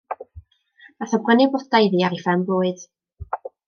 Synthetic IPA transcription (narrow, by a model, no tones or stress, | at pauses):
aθɔbwənɪbɔdajðiːaɾifɛmboːɨd̥